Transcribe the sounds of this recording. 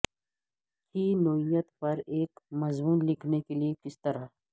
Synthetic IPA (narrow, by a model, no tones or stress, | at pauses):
kiːnoːijət̪pɐɾeːkmɐzmuːnlɪkʰnekeliekɪst̪ɐɾa